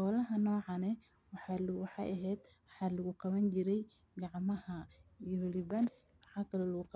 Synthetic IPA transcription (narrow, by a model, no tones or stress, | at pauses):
qɔːlɐɦɐnɔːʕɑnɛ | wɑħɑwɑħɑ̰jʔɐɦɛːd̪wɑħɑːlɐɣʊqɑβɐnt͡ʃɪɾɛj | ɡɑʕmɐhɐihɛlɪβan | wɑħɑːkʰɐlɔlɐɣʊq